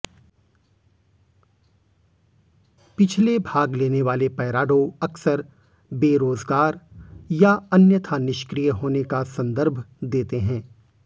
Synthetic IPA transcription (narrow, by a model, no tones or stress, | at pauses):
pɪt͡ʃʰlebʱaːɡleːneʋaːlepɛːɾaːɖõɐksəɾ | beːɾoːzɡaːɾjaɐnjət̪ʰanɪʃkɾijəɦoːnekasɐ̃nd̪əɾbʱd̪eːt̪eɦɛ̃ː